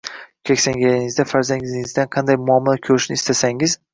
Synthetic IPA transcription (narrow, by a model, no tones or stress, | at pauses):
kʲʰekʲsaŋɡʲajiŋɪzd̪afaɾzanʲiŋɪzd̪anqʰɑnd̪ajmʊamːalˠakʲʰɵɾɪʃnɪːst̪ʰasaŋɪz̥